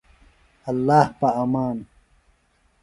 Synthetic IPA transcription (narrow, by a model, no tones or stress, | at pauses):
ɐlːaːhpaɐmaːn